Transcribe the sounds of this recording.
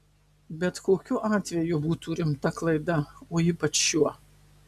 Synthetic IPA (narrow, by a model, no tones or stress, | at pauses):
bʲɛt̪koːkʲʊʔɑːt̪ʲʋʲɛjʊbuːt̪uːɾʲɪmt̪ɐklˠɐɪd̪ɐoːiːpɐt͡ʃjjuɔ